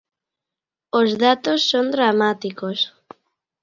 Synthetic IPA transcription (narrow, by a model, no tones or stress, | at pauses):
ozðat̪osːond̪ɾamat̪ikos